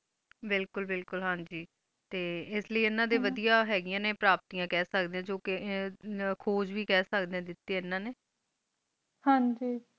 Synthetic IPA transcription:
bɪlkʊlbɪlkʊlɦãːɲd͡ʒiː | t̪eːɪsləiːɪnãːd̪eːʋəd̪ijaːɦɛːɡɪjãːneːpɾaːp̚t̪iːãːkɛːsək̚d̪eːãːd͡ʒoːkɪ | kʰoːd͡ʒʋiːkɛːsəkd̪eːãːd̪ɪt̪ːeːɪnːãːneː | hãɲd͡ʒiː

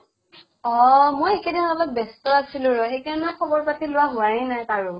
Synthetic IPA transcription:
ɔmojekɛdinɔlɔt̚bɛstɔasilʊ̃ɹɔxejkaɹɔnɛkʰɔbɔɹpatilʊwaɦʊaɹĩnajkaɹʊ

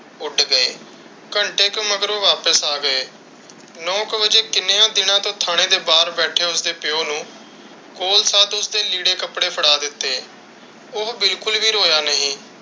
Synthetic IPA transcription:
ʊɖɡəḛː | kəɳʈeːkəməɡəɾʋaːpəsaːɡəeː | nɔ̃ːkʋəd͡ʒeːkɪneːãːd̪ɪnãːt̪õːt̪ʰaːɽ̃eːd̪eːbaːɾbɛːʈʰeːʊsd̪eːpɪoːnũː | koːlsaːt̪ʊsd̪eːliːɽeːkəpɽeːpʰəɽaːd̪ɪt̪ːeː | ʊɦbɪlkʊlʋiːɾoːjaːnəɦĩː

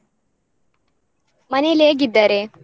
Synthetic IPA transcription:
mɐnileɡid̪ːaɾe

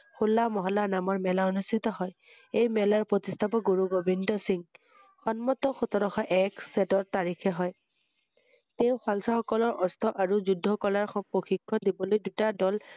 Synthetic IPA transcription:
xulːamɔɦɔlanamɔɹmɛlaonustʰit̪ɔɦɔj | ejmɛlaɹpɹot̪ist̪ʰabɔɡoɹuɡobʱindɔsiŋ | xɔnmɔt̪ɔxut̪ɔɹɔxɔʔɛksɛtɔɹt̪aɹikʰɛɦɔj | teʊxwalsaxɔkɔlɔɹʔɔst̪ʰɔʔaɹuzudʱːɔkɔlaɹxɔpɹoxikʰːɔdibɔlojdutadɔl

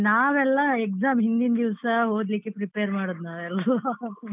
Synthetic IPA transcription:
naːʋɛlːɐeksaːmɦind̪ind̪iʋsɐɦoːd̪likːepɾipeːɾmaːɽud̪naːʋɛlɐ

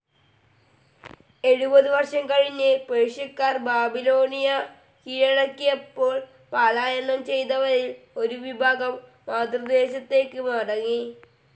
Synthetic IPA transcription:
e̞ɻubɐðɨʋɐrʂɐmkɐɻiɲːɨpeɻʂɐkːaːrbaːbiloːnijɐ | kiːɻɐɻɐkːijepːo̞ːɭ | paːlaːjɐnːɐmt͡ɕe̞jt̪ɐʋɐɾilo̞ɾuʋibʱaːɡɐmː | aːd̪rɨd̪eːɕɐt̪ːe̞ːkːɨmɐɽɐŋːi

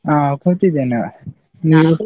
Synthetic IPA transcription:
akʰɔt̪id̪ɛna | na

